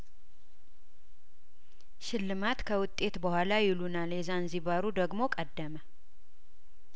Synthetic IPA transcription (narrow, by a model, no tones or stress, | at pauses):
ʃɪlːɨmat̪kʰəwʊt̪ʼːe̞t̪bəhʷalajɪlunaljɛzanziβaɾud̪əɡmo̞kʼəd̪ːəmə